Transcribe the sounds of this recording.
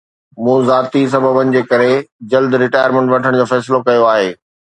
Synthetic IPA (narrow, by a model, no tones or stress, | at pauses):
mũːzaːt̪is̬ɐbʱəbənɪ̆d͡ʑeːkɐɾed͡ʑɐld̪ɾɪʈaːjəɾmẽɳʈʋɐʈʰəɽ̃d͡ʑoːfɛːsɪlokɐjoaːɦeː